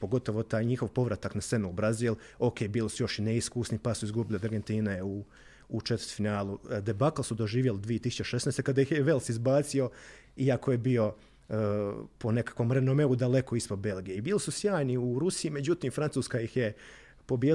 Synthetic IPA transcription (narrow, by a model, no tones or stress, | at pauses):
po̞ɡo̞t̪oʋo̞t̪aːjɲixo̞ʋpo̞ʋɾat̪aknase̞nuubɾaziːl | o̞kebiːlisujo̞ʃineiskusnipasuizɡubilid̪aɾɡe̞nt̪iːneuː | t͡ʃet̪əɾt̪finaːlˠud̪ebaklsud̪o̞ʒiːʋjelɪd̪ʋijet̪isu̥t͡ʃt͡ɕeʃe̞snest̪ekad̪ajixjeʋelˠsizbaːt̪sio̞ | iako̞jebio̞ | po̞ne̞kḁkʋo̞mɾe̞nomeud̪ale̞ko̞ispo̞d̪̚be̞lˠɡijeibiːlisusjaːjniuɾusiime̞d͡ʑut̪iːmfɾant̪uːskajixje̞ | po̞bje